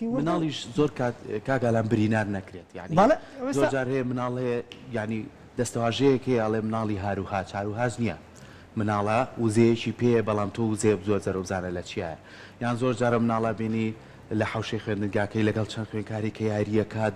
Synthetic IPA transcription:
mɨnaːlˠiʃzoɾkʰat̪kaːkaːlaːmbɨɾiːnaːɾnɐkɾet̪ja̰ʕnizoɾd͡ʒaːɾhejemɨnaːlˠhejejaʕni | d̪ɐst̪ɐwaːʒejekhejeɐlˠemɨnaːlˠiɦaːɾuhaːt͡ʃʰhaːɾuɦaːd͡ʒnijɛ̰ | mɨnaːlˠawɨzejet͡ʃipʰejebɑlˠaːmt̪ʰowuzejɛkzoɾzɐɾowzaːnɐlɐt͡ʃʰia̰ːjɐ | janzoɾd͡ʒaːɾɐmɨnaːlˠabeni | lɐħawʃejxwend̪ɨnɡaːkɐjlɐɡɐlˠt͡ʃʰɐnxwenkʰaːɾikʰɐjaːɾijɛkʰaːt̪̚

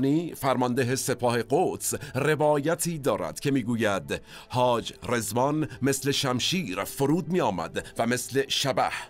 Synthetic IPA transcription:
niːfæɾmɒnd̪eɦe̞se̞pʰɒːhe̞ɡot̪sre̞vɒːjæt̪ʰiːd̪ɒːɾæ̰d̪̥cʲʰe̞miːɡuːjæd̪ | hɒːd͡ʒre̞zvɒnme̞sle̞ʃæmʃiːɾfoɾuːd̪̚miːɒːmæ̰d̪væme̞sle̞ʃæbæ̰h

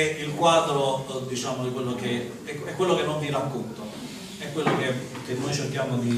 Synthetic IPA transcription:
eilkwaːd̪ɾod̪it͡ʃaːmod̪ikwelːoke | ɛɛkːwelːokenːonviɾakːont̪o | ɛkːwelːoke | k̟enːojt͡ʃerkjaːmod̪i

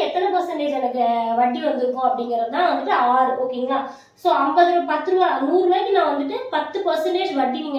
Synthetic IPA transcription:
ɛt̪ːɐnɐpɐɾsɐɳʈeːd͡ʒɛnɐkːɯʋɐʈːiʋɐnd̪ɯɾɯkːõɐpːɐɽɪŋɡɪɾɐt̪ãːʋɐnd̪ɯʈːɯaːɾoːkeːŋɡɐlaː | soːɐmbɐðɯpɐt̪ːɯɾɯʋaːnuːrɯʋaːkːɯnãːʋɐnd̪ɯʈːɯpɐt̪ːɯpɐsɪɳʈeːʂʋɐʈːiʋiːŋɡ

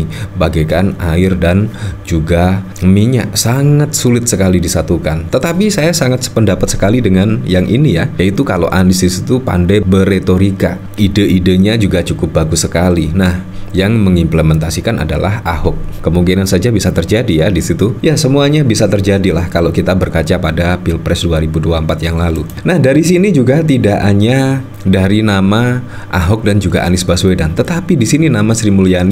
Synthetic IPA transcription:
baɡajkanaɪrdand͡ʒuɡa | miɲa̰ʔsaŋat̪̚sulɪt̪̚səkalidisat̪ukant̪ət̪apisajasaŋat̪̚spəndapat̪sə̥kalidəŋanjaŋʔḭnijajait̪ukalo̰ʔa̰nɪsdisit̪upa̰ndajbəret̪oɾika̰ | idəidəɲad͡ʒuɡat͡ʃukʊp̚baɡusəkalinahjaŋməŋimpləmɛnt̪asikanʔa̰da̰la̰ɦahʊkːəmuŋkinansad͡ʒabisat̪ərd͡ʒadijadisit̪ujasəmuaɲabisat̪ərd͡ʒadilahkaloʔkit̪abərkat͡ʃapadapilpɾɛsduaɾibuduaəmpat̪̚jaŋlalu | nahdaɾis̬inid͡ʒuɡat̪̬idaʔaɲa | daɾinama | ʔa̰ɦʊk̚dand͡ʒuɡa̰ʔa̰nɪsbaswedant̪ət̪apidisininamasɾimulijani

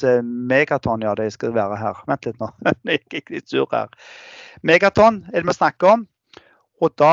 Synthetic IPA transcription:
meːɡɑt̪ʰɔnjɑːd̪ɛɪskɑʋæːɾəɦæ̰ːʁʋɛnt̪lɪt̪noːd̪ɛjɪkːɪkːlɪt̪sʉ̰ːɾhæ̰ːʁ | meɡɑt̪ʰɔnɛd̪ɛmɔsnɑkːəɔm | ɔd̪ɑː

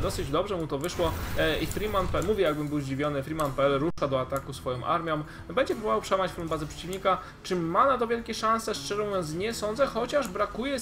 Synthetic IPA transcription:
d̪ɔsɘd͡ʑd̪ɔbʐɛmut̪ɔvɘʂwɔifɾʲimanpɛɛmuvʲjɛjaɡ̚bɘmbɘwzd͡ʑivʲjɔnɘfɾimanpɛɛlɾuʂad̪ɔat̪akusfɔjɔ̃w̃ʔa̰ɾmʲjɔ̃m | bɛɲd͡ʑɛpɾubɔvawpʂɛwamat͡ɕfulmbazɛpʂɛ̥t͡ɕivɲika | t͡ʂɘmːanat̪̬ɔvʲjɛlkʲɛʂãñsɛʂt͡ʂɛʐɔ̃w̃jɛ̃nzɲɛsɔnd̪zɛxɔt͡ɕaʐbɾakujɛ

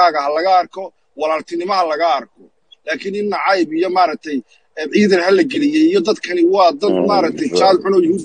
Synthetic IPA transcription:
aːɣɐɦɐlɐɣɐːrkʰɔ | wɑlaːlt̪ʰɪnɪmɐɦɐlɐɣɐːrkʰɔ | laːkʰɪnɪnːɐʕɑjbijɔmaːɾɐk̚t̪ʰɛj | ʕiːðɐɾɦɐlɐɡɛlɪjɛjijɔd̪ɐd̪kʰɐnɪwɑːd̪ɐd̪maːɾɐk̚t̪ʰɛjt͡ʃaːd̪ħʊnɔːjʊhuːd̪

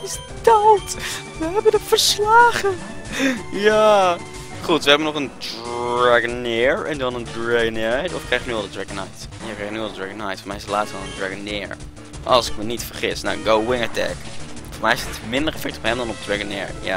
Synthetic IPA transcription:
ɪs | dɑt | ʋəɦɛbəndəfəɹslaːχə | ja | χutʋəɦɛbənɔχəndaɡənɪɹɛndɑnəndɹeɡnɛjtɔfkrejχəknylˠdədɹɛɡənajtjakreχnyɑlˠdədɹaɡənajtfɔɹmɛjɪsətlaːtstɔnə̃ndɹaɡənɪɹ | ʔɑ̰lˠsɪkmənitfəɹχɪsnawɡowwɪŋətɛ̰kfɔːɹmɛjɪsətmɪndəɹɛfɛk̚tɔ̥pɦɛmdɑnɔp̚dɹɛɡənɪ̰ːɹja̰

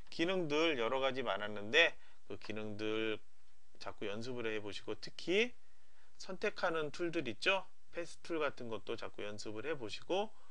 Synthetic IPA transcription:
kinɯŋdɯɭjʌɾʌɣad͡ʑimanɦanːɯnde̞ | kɯkinɯŋdɯɭ | t͡ɕak͈ujʌns̬ʰɯbɯɾɯɦe̞boɕʰiɡotʰɯkʰi | sʰʌntʰe̞kʰanɯntʰuɭdɯɾit̚t͡ɕ͈o | pʰe̞sʰɯ̥tʰuɭɡatʰɯnɡʌt̚t͈ot͡ɕak͈ujʌnsʰɯbɯɭhe̞boɕʰiɡo

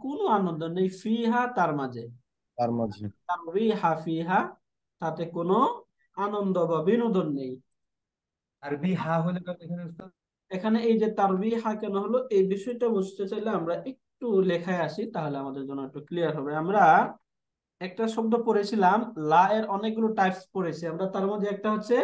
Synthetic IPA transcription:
konoanond̪onejfiɦat̪aɾmad͡ʑe | t̪aɾmad͡ʑet̪aɾbiɦafiɦa | t̪at̪ekono | anond̪obabinod̪onːej | t̪aɾbiɦaɦojlekaekʰaneust̪a | ekʰaneejd͡ʑet̪aɾbiɦakɛnoɦoloʔejbiʃɔjʈabust̪et͡ɕajleamɾaʔek̚ʈulɛkʰaeaʃit̪aɦoleamad̪eɾd͡ʑonːoek̚ʈuklijaɾɦɔbeamɾa | ɛk̚ʈaʃok̚d̪opoɾet͡ɕʰilamlaʔeɾɔnek̚ɡuloʈajpspoɾet͡ɕʰiamɾat̪aɾmɔd̪ʱeɛk̚ʈaɦotːɕʰe

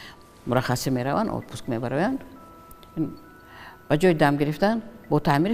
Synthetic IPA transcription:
mʊɾaχasimeɾavanɔ̰t̪̚pʰuskmebaɾɔjand̪ | in | b̥ad͡ʒɔjid̪amɡiɾift̪anbɔt̪ʰamiɾ

